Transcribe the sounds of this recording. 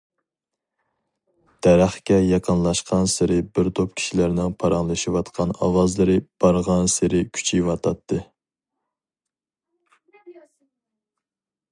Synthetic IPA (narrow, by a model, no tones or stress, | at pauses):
d̪̥ɛɾæχkʲɛjɑqʰənlˠɑʃqʰɑnsɪɾɪbɪɾt̪ʰop̚kʲʰi̥ʃilæɾnɪŋpʰɑɾɑŋlˠɨʃiwɑt̪qʰɑnɑ̰wɑzlˠɨɾɨb̥ɑɾʁɑnsɪɾɪkʲʰy̥t͡ʃʰiwɑt̪ʰɑt̪ʰːɨ